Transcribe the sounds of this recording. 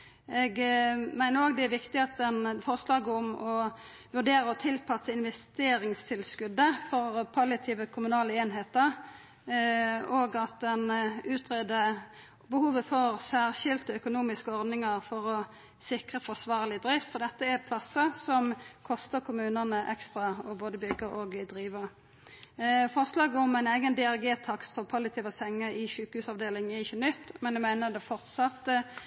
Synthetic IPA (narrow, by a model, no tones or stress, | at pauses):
ɛɡmæɪnəɾoːɡd̪ɛæʋɪkt̪ɪɑt̪̚d̪ɛnfɔʁslɑːɡəɔmɔ | ʋʉʁɖeːɾəɔt̪ʰɪlpʰɑsːəɪnʋɛst̪eːɾɪŋst̪ʰɪlskʉd̪əfɔʁpʰɑlɪt̪ʰiːʋəkʰʊmʉnɑːləeːnɦeːt̪əʁ | oːɡɑt̪̚d̪ɛnʉːt̪ʰʁeːd̪ə | bəhuːʋəfɔʁsæːʁʃɪlt̪əœkʊnuːmɪskəɔʁd̪nɪŋɑʁfɔʁɔ | sɪkʁəfɔsʋɑːʁlɪd̪ɾɪft̪fɔʁd̪ɛt̪ːəæpʰlɑsːəsɔmkʰɔst̪əʁkʰʊmʉːnənəʔɛkst̪ʁɑɔboːd̪əbʏɡəɾoːɡd̪ɾiːʋəʁ | fɔʁslɑːɡɔmæɪneɪɡənd̪ɛæʁɡeːt̪ʰɑkt̪fɔʁpʰɑlɪt̪ʰiːʋəsɛŋːəɪʃʉːkəhʉːsɑʋd̪eːlɪŋəɪçːənʏt̪ːmɛnjæmæɪnəd̪ɛfɔʁt̪sɑt̪ːə